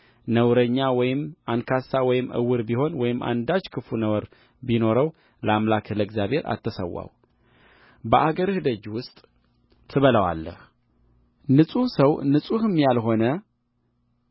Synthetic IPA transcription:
nəwɾəɲːawɔjɪmʔankʰasawɔjɪmʔɨ̰wːɨɾbiho̞nwɔjɪmʔa̰nd̪at͡ʃkʰɨfunəwɾ | bino̞ɾəw | ləamlakləɡzjaβhe̞ɾʔa̰t̪ʰːəsə̰wːa̰w | bəʔaɡəɾɨhɨd̪əd͡ʒwʊst̪ʼ | t̪ʰɨβələwa̰lːə̰h | nɨsʼuhsəwnɨsʼuhɨmjalɦo̞nə

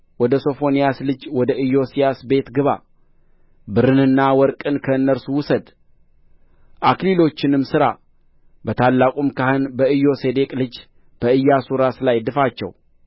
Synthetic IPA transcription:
wɔd̪əso̞fo̞nijaslɨd͡ʒwɔd̪əɨjːo̞sijasbe̞t̪ɡɨβa̰ | bɨɾɨnɨnːawɔɾkʼɨnkʰəɨnːəɾsuwʊsəd̪ | ʔaklilo̞t͡ʃːɪnɨmsɨɾa | bət̪ʰalːakʼumkʰahɨnbəɨjo̞se̞d̪e̞kʼlɨd͡ʒ | b̥əɨjːasuɾaslajd̪ɨfat͡ʃːɛ̰w

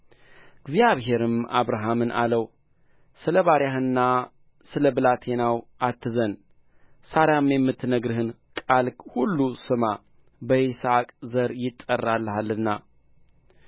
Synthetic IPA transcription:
ɡzjaβɦe̞ɾɨma̰βɾaɦamɨnʔa̰ləw | sɨləβaɾjahɨnːa | sɨləbɨlat̪ʰe̞nawʔat̪ʰːɨzən | saɾamjɛmːɨt̪ːnəɡɾɨhɨn | kʼalkhulːusɨma | bəʔisakʼzəɾjɪt̪ʼːərːalːhalɨnːa̰

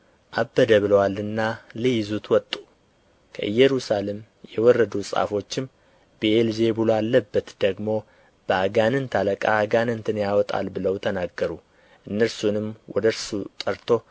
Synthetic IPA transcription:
ʔabːəd̪əβɨləwalːɨnːalɨjɪzut̪wɔt̪ʼːu | kʰə̰ʔɨjːɛɾusale̞m | jɛwɔrːəd̪usʼa̰fo̞t͡ʃːɪm | bəelze̞bulalːəbːət̪d̪̥əɡmo̞ | b̥əaɡanɨnt̪ʰaləkʼaːɡanɨnt̪ʰɨnjawɔt̪ʼa̰lbɨləwt̪ʰənaɡːəɾu | ʔɨnːəɾsunɨmwɔd̪əɾsut̪ʼəɾt̪ʰo̞

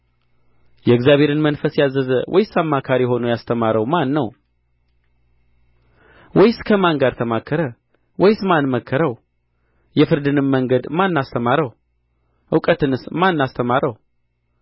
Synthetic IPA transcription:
jɛɨɡzjaβʱe̞ɾɨnmənfəsjazːəzəwʔɔ̰jsamːakʰaɾiho̞nujast̪ʰəmaɾəwmanːəw | wɔjskʰəmaŋɡad̪t̪ʰəmakʰːəɾə | wɔjsmanməkʰːəɾəw | jɛfɨɾd̪ɨnɨmːəŋɡəd̪manːast̪ʰəmaɾəw | ʔɨwkʼət̪ɨnɨsmanːast̪ʰəmaɾəw

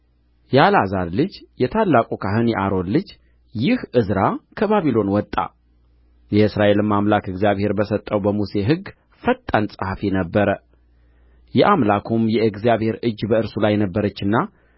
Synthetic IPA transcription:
jalazaɾlɨd͡ʒjɛt̪ʰalːakʼukʰaɦɨnjɛʔaɾo̞nlɨd͡ʒ | jɪhʔɨzɾakʰəβaβilo̞nwɔt̪ʼːa̰ | jɛɨsɾaʔe̞lɨmːamlakɨɡzijaβhe̞ɾbəsət̪ʼːəwbəmuse̞ɦɨɡ | fət̪ʼːansʼahafinəbːəɾə | jɛʔamlakʰumjɛɨɡzijaβhe̞ɾɨd͡ʒbəɨɾsulajːɛnəbːəɾət͡ʃːɨnːa

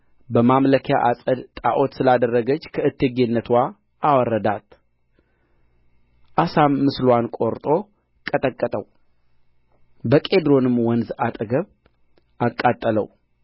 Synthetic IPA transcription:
bəmamləkʰja̰ʔasʼəd̪t̪ʼaʔot̪sɨlad̪ərːəɡət͡ʃːkʰəɨt̪ʰːeɡe̞nːət̪ʰwa | ʔawɔrːəd̪at̪ | ʔasamːɨslwankʼo̞ɾt̪ʼo̞ | kʼət̪ʼəkʼːət̪ʼəw | bəkʼe̞d̪ɾo̞nɨmwɔnzat̪ʼɡəβ | akʼːat̪ʼːələw

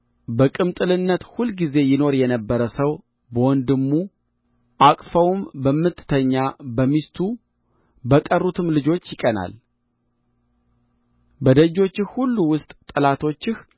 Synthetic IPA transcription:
bəkʼɨmt̪ʼɨlɨnːət̪hulɡize̞jɪno̞ɾjɛnəbːəɾəsəw | bəwɔnd̪ɨmːu | ʔakʼfəwmbəmːɨt̪ʰːt̪ʰəɲːabəmist̪ʰu | bəkʼərːut̪ʰɨmlɨd͡ʒo̞t͡ʃːjɪkʼəna̰l | bəd̪əd͡ʒo̞t͡ʃːɪxhulːuwʊst̪ʼt̪ʼɨlat̪ʰo̞t͡ʃːɪh

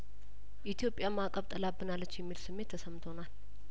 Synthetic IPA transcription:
ʔit̪ʰjo̞pʼːjamakʼəβt̪ʼəlabːɨnalːət͡ʃːjɛmːilsɨmːe̞t̪ʰːəsəmt̪ʰo̞nal

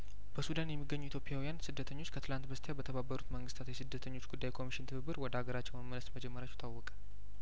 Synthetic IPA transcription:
b̥əsud̪anjɛmːiɡːəɲːuit̪ʰjopʼjawijansɨd̪ːət̪ʰəɲːo̞t͡ʃːkʰət̪ʰɨlant̪bəst̪ʰejabət̪ʰəβabːəɾut̪məŋɡɨst̪ʰat̪jɛsɨd̪ːət̪ʰəɲːo̞t͡ʃːɡud̪ːajkʰo̞miʃɪnt̪ʰɨβɨbɨɾwɔd̪əaɡəɾat͡ʃːɛwməmənləsməd͡ʒɛmːəɾat͡ʃːu̥t̪ʰawːɔkʼə̥

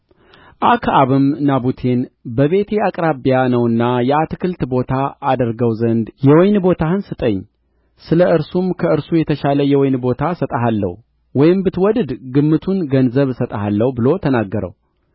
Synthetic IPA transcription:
ʔakʰaβɨmnabut̪ʰe̞nbəβe̞t̪ʰeakʼɾabijanəwɨnːajɛat̪ɨkʰɨlt̪bo̞t̪ʰaʔad̪əɾɡəwzənd̪jɛwɔjnbo̞t̪ʰahɨnsɨt̪ʼəɲː | sɨləɨɾsumkʰəɨɾsujɛt̪ʰəʃaləjɛwɔjnbo̞t̪ʰasət̪ʼaɦalːə̰h | wɔjɪmbɨt̪wɔd̪ɨd̪ɡɨmːɨt̪ʰunɡənzəβsət̪ʼəhalːəhbɨlo̞t̪ʰənaɡːəɾə̰w

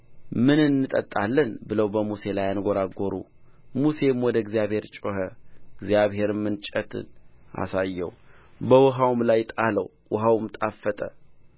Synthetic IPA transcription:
mɨnɨnːɨt̪ʼət̪ʼːalːɨnbɨləwbəmuse̞lajanɡo̞ɾaɡoɾṵ | muse̞mwɔd̪əɪɡzijaβhe̞ɾt͡ʃʼohəɪɡzijaβɦe̞ɾɨmːɨnt͡ʃʼət̪ʰɨ̰nʔa̰sajːɛ̰w | bəwʊɦawmlajt̪ʼaləw | wʊɦawmt̪ʼafːət̪ʼə

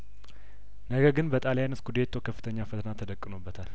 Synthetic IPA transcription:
nəɡəɾɡɨnbət̪ʼaljanɨskud̪et̪ʰːokʰəfːɨ̥t̪ʰəɲːafət̪ʰənat̪ʰːəd̪əkʼːɨnobːət̪ʰal

